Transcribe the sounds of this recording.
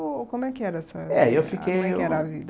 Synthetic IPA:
kõmʊɛkɪɛɾɐɛsɐɛewfikejɛɛɾavid̪

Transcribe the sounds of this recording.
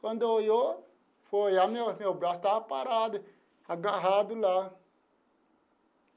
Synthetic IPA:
kondojo | fojamĩamĩobɾast̪aːpaɾadɨ | haɡãɦadula

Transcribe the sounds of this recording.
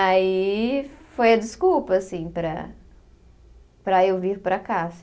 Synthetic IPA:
ai | fojɐd͡ʒɪskuwpɐːsĩpɾɐ̰ | pɾɐewviɾpɾɐkas

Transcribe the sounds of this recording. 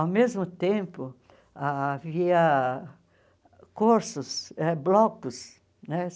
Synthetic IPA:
awmezmʊt̪ẽmpʊ | aːviɐ | koɾsʊsɛblɔkʊs | nɛ

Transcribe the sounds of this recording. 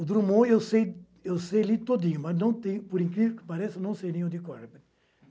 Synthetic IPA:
ʊd̪ɾumõewsej | ewsejalit̪od̪ĩɲʊmɐsnɐ̃w̃t̪ẽɲʊpoɾĩŋkɾivekɪ̥paɾɛsɪnɐ̃w̃sejnẽʊd̪ikaɾpet̪

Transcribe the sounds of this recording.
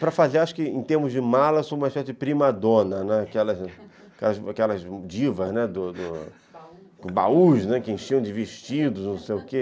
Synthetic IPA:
pɾɐfazaɾaʃʊ̥kɪẽt̪ehmʊzd͡ʒɪmalɐsobũmɐiʃpɛsɪd͡ʒɪpɾimad̪õnɐnɛakɛlɐz | kɛlɐzakɛlɐzd͡ʒivɐznɛd̪ʊd̪ʊ | bauʃnɛkɪẽʃiɐ̃d͡ʒɪveʃt͡ʃid̪ʊznɐ̃w̃sejʊke

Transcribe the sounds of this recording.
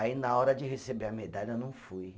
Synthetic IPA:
ainaɔɾɐd͡ʒɪɦesebeɐmed̪aʎɐewnɐ̃w̃fuj

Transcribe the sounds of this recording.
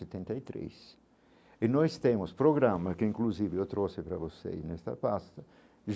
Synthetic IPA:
et̪ɛ̃nt̪ait̪ɾḛs | ɪnɔjst̪ẽmʊspɾoɡɾamɐkɪĩŋkluzivɪewt̪ɾosɪpɾɐvosḛjznɛst̪ɐ̰past̪ɐ | ʒ

